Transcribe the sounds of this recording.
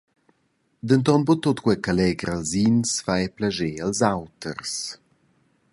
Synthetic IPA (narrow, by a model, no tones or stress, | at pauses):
d̪ənt̪ɔnbot̪ot̪kwɛkalɛɡɾalzinsfajɛplaʒealzawt̪ə̰ɾs